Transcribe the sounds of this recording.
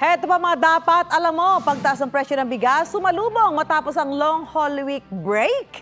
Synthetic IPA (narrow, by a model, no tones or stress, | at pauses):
ʔʔɛt̪opɐŋmɐŋad̪aːpɐt̪ʔɐlɐmːo̞pɐɡ̚t̪ɐʔas̬nɐŋpɹɛʃonɐŋbɪɡasːʊmɐluːboŋmɐt̪aːposɐŋloŋholɪwik̚bɹɛjk